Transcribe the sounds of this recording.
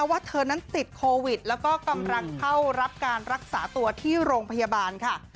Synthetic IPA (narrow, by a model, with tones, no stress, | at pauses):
a˧˩waː˥˩t̪ʰɤː˧na˦˥nt̪i˨˩t̪̚kʰoː˧wi˨˩t̪̚lɛː˦˥wkɔː˥˩ka˧mɾa˦˥ŋkʰa˥˩wɾa˦˥p̚kaː˧nɾa˦˥k̚sa̰ː˩˦t̪u˧ɐt̪ʰiː˥˩ɾoː˧ŋpʰa˧ja˧baː˧nkʰa˥˩